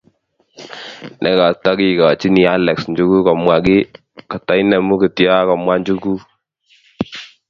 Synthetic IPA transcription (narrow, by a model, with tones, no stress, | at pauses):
nʔɛ˨ka˨tɔ˦ki˦˨ka˨t͡ʃi˦ni˨a˦lɛ˨ksɲd͡ʒu˦ku˦kɔ˨mwa˨kɪ˦ | ka˨ta˦jnɛ˨mu˦ki˨tja˦kɔ˨mwa˦ɲd͡ʒu˦ku˦